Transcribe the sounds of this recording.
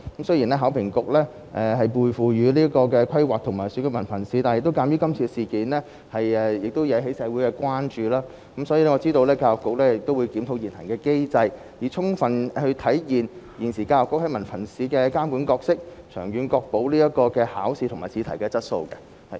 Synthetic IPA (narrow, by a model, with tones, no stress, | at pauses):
kɐ˨˥msji˨˩nlɛː˥ɦaː˨˥wpʰɪ˨˩ŋkʊ˨k̚lɛː˥ | ʔɛ˧hɐ˨jpuː˨jfuː˨˩ɥyː˨˧li˥kɔː˧kɛː˧kʷʰɐ˥jwaː˨k̚t̪ʰʊ˨˩ŋmaː˨˩jsyː˨˥kɛː˧mɐ˨˩nfɐ˨˩nsiː˨˥t̪aː˨˩njɪ˨k̚t̪o˥kaː˧mjyː˥kɐ˥mt͡sʰi˧siː˨˩kiː˨nlɛː˥ | hɐ˨jɛ˧jɪ˨k̚t̪o˥wjɐ˨˧wɦe˨˥jsɛː˨˧wu˨˥jkɛ˧kʷaː˥nt͡ʃyː˨˧laː˥ | kɐ˨˥msɔː˨˥jiː˨˧lɛː˥ŋɔː˨˧˥t͡siː˥t̪o˧wlɛː˥kaː˧wɔ˨kːʊ˨k̚lɛː˥jɪ˨k̚t̪o˥wuː˨˧jkiː˨˥mt̪ʰo˨˧wjiː˨˩nhɐ˨˩ŋkɛː˧ke˥jt͡sɐ˧j | jiː˨˩t͡sʰʊ˥ŋfɐ˨nhɵ˧ɥt̪ʰɐ˨˥jjiː˨˩n | jiː˨˩nsiː˨˩kaː˧lɔː˨˩kːʊ˥khɐ˨˥jmɐ˨˩nfɐ˨˩nsiː˨˥kɛː˧kaː˥mku˨˥nkɔː˧k̚sɪ˥k̚ | t͡ʃʰœ̰ː˨˩ŋjyː˨˧nkɔː˧k̚po˨˥wliː˥jɐ˥t̚kɔː˧kɛː˧ha̰ː˨˥wsiː˨t̪ʰʊ˨˩ŋmaː˨˩jt͡sʰiː˨˧tʰɐ˨˩jkɛː˧t͡sɐ˥t̚so̰˧wkɛ˧ | hɐ˨